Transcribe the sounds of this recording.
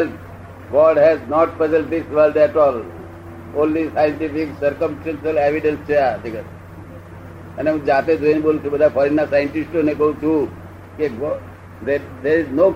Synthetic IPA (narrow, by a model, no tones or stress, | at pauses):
ɛlp | ɡɔːɖɦɛznɔːʈ̚pəzəlɖ̚d̪ɪsʋəlɖɛʈɔːl | õːnlisajə̃ɳʈɪfɪksəɾkə̃msʈãnʃəleʋɪɖə̃nst͡ʃat̪ikə | ɛ̃nẽd͡ʒaːt̪ed̪uẽnboːlut͡ʃʰubəd̪afʰɔːɾinːasajə̃ɳʈɪsʈonekout͡ʃʰu | keɡɔ | d̪ed̪eɾɪznoː